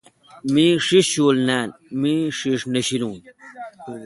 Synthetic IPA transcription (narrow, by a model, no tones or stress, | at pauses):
mĩːʂiʂɕuːlnaːnmĩːʂiʂnɐɕilũːn